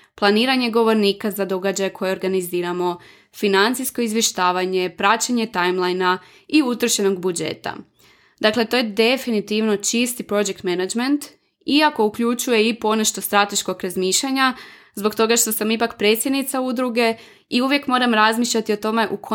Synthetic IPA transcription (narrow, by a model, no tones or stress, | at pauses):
plˠaniːɾaɲe̞ɡo̞ʋo̞ɾniːkazad̪o̞ɡad͡ʑajekʰo̞jeo̞ɾɡaniziːɾamo̞ | finant̪sijsko̞izʋje̞ʃt̪aːʋaɲe̞pɾat͡ɕaɲe̞t̪ajmlˠajna | iut̪ɾ̩ʃeno̞ɡbud͡ʒḛt̪a̰ | d̪akle̞t̪o̞je̞d̪e̞finit̪iʋno̞t͡ʃist̪ipɾo̞d͡ʒek̚t̪menad͡ʒment̪ | iako̞ukʎut͡ʃuje̞ipo̞naʃt̪ost̪ɾat̪e̞ʃko̞kɾazmiːʃʎaɲa | zbo̞kt̪o̞ɡaʃt̪o̞samipakpɾe̞t̪sʲje̞d̪nit̪saud̪ɾuɡe̞ | iuʋje̞kmo̞ɾamɾazmiːʃʎat̪io̞t̪o̞me̞ʔukʰo